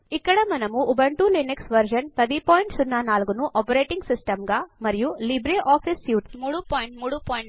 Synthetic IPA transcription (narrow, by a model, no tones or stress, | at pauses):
ikːɐɽɐmɐnɐmuʔːbɐɳʈuliniksʋɐɾd͡ʒɐnpɐd̪ipoːjɳʈsunːɐnaːlɡunuʔɔːpɐɾeːʈiŋɡsisʈɐmɡaːmɐɾijulibɾeʔaːfisjuːʈmuːɽupoːjɳʈmuːɽupoːjɳ